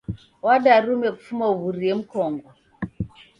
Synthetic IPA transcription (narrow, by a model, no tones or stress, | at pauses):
wadaɾumɛku̥fumauβuɾiem̩kɔŋɡɔ